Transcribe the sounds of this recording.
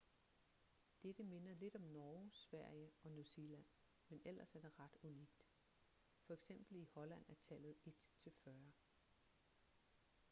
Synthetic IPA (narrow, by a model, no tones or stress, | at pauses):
d̥ed̥əme̝nɐle̝d̥ɒ̽mnɒːsʋæɐ̰jəɒ̽nuselæn̰ | menʔel̰ɐsæɐd̥eʁɑ̈d̥uniɡ̥d̥ | fɒ̽eɡ̥sem̰b̥l̩ihɒ̽læn̰æɐt͡sʰælð̩ˠe̝d̥t͡sʰe̝lfɶɐ